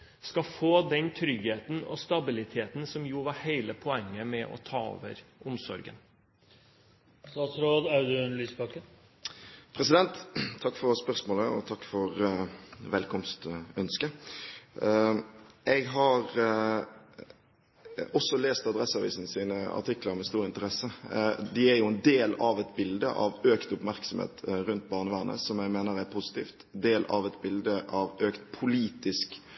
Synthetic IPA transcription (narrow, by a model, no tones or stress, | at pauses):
skɑfoːd̪ɛnt̪ʰɾʏɡheːt̪n̩ɔ̰st̪ɑbɪlɪt̪ʰeːt̪n̩sɔmjuːʋɑɾheɪləpʰɔɛŋːəmɛʔɔ̰t̪ʰɑːɔ̰ːʋə̰ɾʔʊmsɔ̰ɾɡə̰n | st̪ɑːt̪sɾoːd̪ɑʉd̪nlyːspɑkən | pʰɾɛsɪd̪ɛnt̪ʰːɑkːfɔɾspœʁsmoːləɔt̪ʰɑkːfɔɾ | ʋɛlkʰɔmst̪œnskə | ɛɡɦɑɾ | ɔsɔleːst̪ɑd̪ɾɛsɑʋḭːsnsiːnəɑ̰ʈʰɪkːləɾmɛst̪uːʁɾɪnt̪əɾɛsːəd̪ɪæɾjʊɛnd̪eːlɑʋɛt̪bɪld̪ə̰ʔɑ̰ʋøːkt̪ʊpmæʁksɔmḛːt̪ʁʉnt̪bɑːʁnəʋæːʁnə̰sɔmjɛɡmeːnəɾæɾpʰusɪ̥t̪ʰiːft̪d̪eːlɑ̰ʋɛt̪bɪld̪əʔɑʋøːkt̪pʰʊliːt̪ɪsk